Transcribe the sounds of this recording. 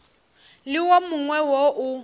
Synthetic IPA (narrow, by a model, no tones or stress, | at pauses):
lɪwomʊŋwɛwoʔʊ